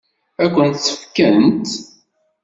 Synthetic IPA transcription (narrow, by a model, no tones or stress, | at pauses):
ækʷːənt̪səfkənt̪